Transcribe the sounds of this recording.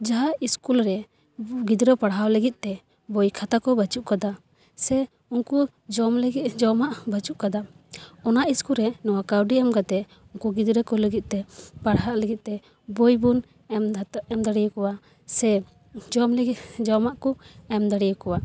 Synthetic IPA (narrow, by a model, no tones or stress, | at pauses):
d͡ʒaɦaʔiskulɾɛ | ɡid̪ɾɔpaɽɦawləɡit̪̚ˀt̪ɛ | bɔjkʰat̪akɔbat͡ʃuʔkad̪a | sɛ | unku | d͡ʒɔmləɡit̪d͡ʒɔmaʔbat͡ʃuʔkad̪a | ɔnaʔiskulɾɛnɔwakawɖiɛmɡat̪ɛ | uŋkuɡid̪ɾəkɔləɡit̪̚t̪ɛpaɽɦaʔləɡit̪̚t̪ɛ | bɔjbun | ɛmɛmd̪aɽijəkɔwa | sɛ | d͡ʒɔmləɡid͡ʒɔmaʔkɔɛmd̪aɽijəkɔwa